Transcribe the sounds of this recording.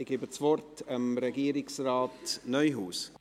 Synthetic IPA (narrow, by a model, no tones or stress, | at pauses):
ɪɡɪbət͡svɔrtʰəmɾɛɡiːɾɪksraːtnœjɦuːs